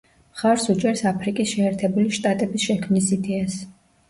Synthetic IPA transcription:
χaɾsut͡ʃʼɛɾsapʰɾikʼisʃɛɛɾt̪ʰɛbuliʃt̪ʼat̪ʼɛbisʃɛkʰmnisid̪ɛas

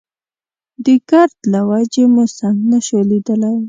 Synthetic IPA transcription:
d̪əkaɾt̪lawad͡ʒemusaŋɡnaʃolid̪əlaj

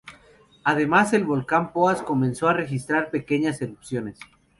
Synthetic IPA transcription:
aðe̞mase̞lβo̞lkampo̞asko̞mẽ̞nso̞are̞xist̪ɾaɾpe̞ke̞ɲase̞ɾupsjo̞nes

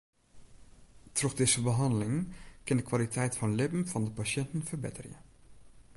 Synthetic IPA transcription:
trɔχdɪzəbəɦɑndəlɪŋkɪndəkʋalitʰɛjtfɑnlɪpn̩vɑndəpaʃɛntən̩fərbɪ̰tərjə̰

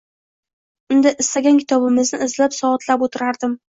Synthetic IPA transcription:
ʊnd̪aʔɪst̪aɡʲankʰʲɪ̥t̪ʰɒbɪmɪznɪːzlapsɒɒt̪ʰlapot̪ʰɪɾaɾd̪ɪm

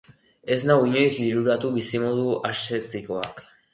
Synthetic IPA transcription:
e̞znaiɲo̞jzliɾuɾat̪uβisimo̞ðuaset̪iko̞ak

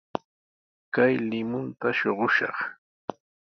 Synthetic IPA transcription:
kajlɪmʊnt̪aʃoɢʊʃɑχ

